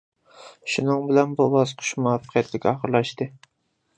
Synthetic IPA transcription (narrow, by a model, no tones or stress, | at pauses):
ʃunɨŋbɪlɛnbubɑsqʰʊ̥ʃmɑːfqʰijɛt̪lɪkʲɑχəɾlˠɑʃt̪ɨ